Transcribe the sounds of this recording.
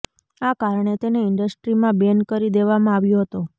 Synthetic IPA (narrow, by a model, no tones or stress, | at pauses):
akaɾɳ̃et̪eneɪɳɖəsʈɾimãbenkəɾid̪eʋamãaʋjoɦət̪o